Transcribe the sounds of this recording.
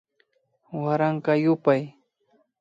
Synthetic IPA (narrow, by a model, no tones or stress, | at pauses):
waɾaɴkɑjʊpaj